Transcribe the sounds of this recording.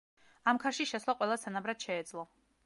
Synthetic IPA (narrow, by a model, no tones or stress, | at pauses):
amkʰaɾʃiʃɛslˠaqʼwɛlˠasʰanabɾad̪̥ʃɛːd̪zlˠɔ